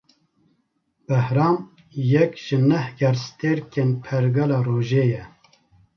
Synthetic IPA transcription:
b̥ɛhɾɑːm | jɛkʒ̥ɨnɛhɡɛɾst̪eɾkeːnpʰɛɾɡɛlɑːroːʒeːjɛ

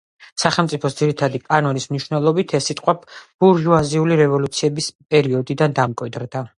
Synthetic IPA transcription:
saχɛlˠmt̪sʼipʰɔsd̪ziɾit̪ʰad̪ipʼanɔnismniʃwnɛlˠɔbit̪ʰɛsːit̪ʼqʼwɛbb̥uɾʒuaziuliɾɛvɔlut̪sʰiɛbispʼɛɾiɔd̪id̪and̪amkʼwid̪ɾd̪a

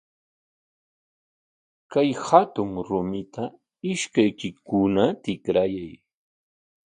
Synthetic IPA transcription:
kajhat̪ʊŋɾʊmɪt̪ʰa | ɪʃkajkɪkʊnat̪ɪkɾajaj

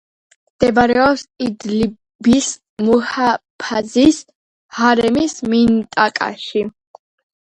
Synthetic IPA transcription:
md̪̥ɛbaɾɛɔpsid̪li | bis | muhapʰazis | haɾɛmismint̪ʼakʼa̰ʃi

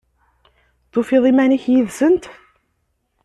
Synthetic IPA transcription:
θufiðˤimæniçjiðsənt̪

